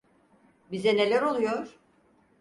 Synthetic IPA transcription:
bizɛne̞lʲæɾo̞lˠujoɾ̥

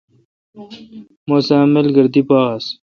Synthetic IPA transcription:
mosaːmɐlɡɐɾd̪ipaːs

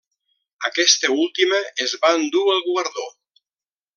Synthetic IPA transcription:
əkɛst̪eulˠt̪iməʔːzβand̪uəlˠɣuəɾðo

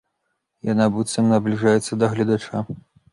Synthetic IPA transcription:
janabut̪sɐmnɐblʲiʐajɛt̪sːɐd̪ɐɣlʲɐd̪at͡ʂa

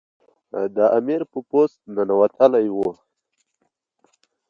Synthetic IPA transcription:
d̪əʔamiɾpəpost̪̚nanawat̪ʰəlajwu

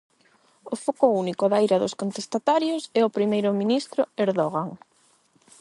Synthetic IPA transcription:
ʊfokʊunikʊðaejɾɐðʊskont̪est̪at̪aɾjʊsɛʊpɾimejɾʊminist̪ɾʊeɾðoɣaŋ

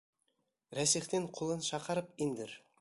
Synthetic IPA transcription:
ɾæsiχt̪eŋqʰulˠɤnʃɑqɑɾɤpind̪ɘɾ

